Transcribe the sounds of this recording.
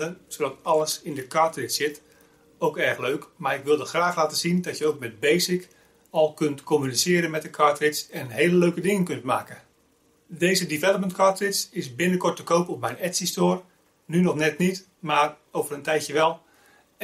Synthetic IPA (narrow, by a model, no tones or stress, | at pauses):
əsodɑtɑlˠəsɪndəkɑɹtrɪtsɪt | owkɛrxløɥkmaːɹɪkʋɪlˠdəχraːχlaːtəzindɔtjəowk̚mɛt̚bejsɪk | ɔlˠkøntkomynisɪːɾənmɛt̚əkʰɑɹtrɪtsɛnɦejləløɥkədɪŋənkɵntmaːkə | dejzədivɛlˠəpməntkʰɑɹtrɪtsɪsbɪnəkɔɹtəkowpɔpmɛjnɛtsistoːr | nynɔχnɛtnit | maːr | owvərəntɛjjəʋɛlˠ